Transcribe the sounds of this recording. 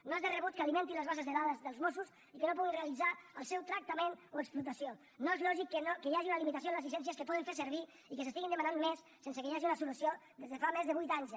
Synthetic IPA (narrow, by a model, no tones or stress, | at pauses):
noezðərəβut̪̚kəalimẽnt̪inləzβasəzðəðaðəzðəlˠzmosus | ikənop̬ɔɣinreəlid͡zaəlˠsɛwt̪ɾək̚t̪əmenoəksplut̪əsio | noezlɔʒikːənokəjaʒiunəlimit̪as̬joənləzisɛnsiəskəpɔðiɱfeɾsəɾβi | ikəsəsiɣind̪əmananmes | sːens̬əkəjaʒiunəsulusiod̪ezðəfamezðəβujt̪aɲs